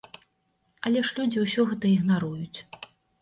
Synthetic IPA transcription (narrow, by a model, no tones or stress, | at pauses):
ɐlʲɛʂlʲud͡zʲiwsʲɔɣɛt̪ɐiɣnaɾujut͡sʲ